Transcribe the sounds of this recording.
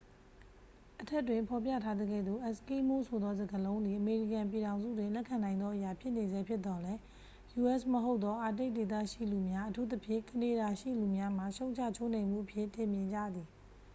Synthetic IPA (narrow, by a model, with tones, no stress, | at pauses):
ʔətʰɛ˦ʔtwɪ̃˨mpʰɔ˨p̬jä̰˦˨tʰa˦d̪ə˦ɡɛ̰˦˨d̪o̰˦˨ʔɛ˨ski˦mo˦˨sʰo˨d̪ɔ˦zə˨ɡəlõ˦ʊ̃nd̪i˨ʔəme˨ɹḭ˦˨kã˨mp̬ji˨ɾã˨ʊ̃nzṵ˦˨dwɪ̃˨lɛ˦ʔkʰːã˨nã˨ɪ̃nd̪ɔ˦ʔəja˨pʰjɪ˦ʔne˨zɛ˦pʰjɪ˦t̪ːɔ˨lɛ˦ | ju˨ʔɛ˦˨sməɦo˦ʊt̪ːɔ˦ʔa˨t̬e˦ɪʔ̚de˨t̪̬a̰˦˨ʃḭ˦˨lu˨mja˦ʔətʰu˦t̪ə˦pʰjɪ̰̃˦˨kəne˨ɾa˨ʃḭ˦˨lu˨mja˦m̥a˦˨ʃõ˦ʊ̃ɲt͡ɕʰa̰˦˨t͡ɕʰo˦ʔnẽ˨m̥ṵ˦˨ʔəpʰjɪ˦˨tɪ̃˨mjɪ̃˨ɲd͡ʑa̰˦˨d̪ði˨